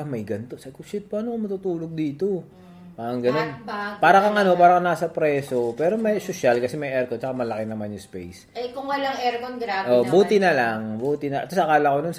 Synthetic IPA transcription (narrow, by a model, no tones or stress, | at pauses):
ɐmɐjɡɐnt̪o̞sɐkʊʃɪt̪̚paːnokomɐt̪ut̪uːloɡ̚d̪iːt̪o̞ | paːɾɐŋɡɐno̞nbpaːɾɐkɐŋʔɐno̞paːɾɐkɐnaːsɐpɾɛːso̞pɛːɾo̞mɐjsoʃalkɐsɛmɐjʔɛɾkot͡ʃɐkamɐlɐkɪnɐmanjʊŋspejs | jkʊŋwɐlaŋɛɾkonɡɾaːbʔoʔbuːt̪ɪnɐlaŋbuːt̪ɪnɐʔt̪osɐʔɐkaːlɐkonons